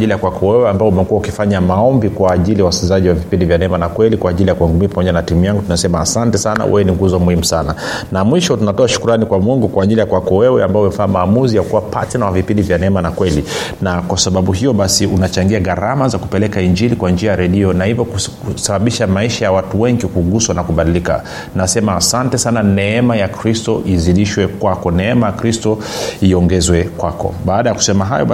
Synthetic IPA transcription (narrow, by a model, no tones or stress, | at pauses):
ʄilijakwakɔwɛwɛambaɔumɛkuwaukifaɲamaɔmbikwaːʄilijawaskizaʄiwavipindivjanɛmanakwɛlikwaːʄilijakuwɛŋɡumipamɔʄanatimujaŋɡutunasɛmaːsantɛsana̰wʔɛ̰wɛniŋɡuzɔmuhimusana | namwiʃɔtunatɔaʃu̥kuɾanikwamwɛŋɡukwaːʄilijakwakɔwɛwɛambaɔumɛfaamaːmuzijakuwapa̰tɛnawavipindivjanɛmanakwɛlinakwasaɓaɓuɦijɔɓasiunat͡ʃaŋɡiaɣaɾamazakupɛlɛkaiɲd͡ʒilikwand͡ʒiajaɾɛɗiɔnahivɔku | saɓaɓiʃamaiʃajawatuwɛŋɡikuɡuswanakuɓaɗilika̰ | nasɛmaːsantɛsananɛɛmajakɾistɔʔiziliʃwɛkwakɔnɛɛmajakɾistɔ | iɔŋɡɛzwɛkwakɔ̰ɓaːɗajaku̥sɛmaɦa̰jɔ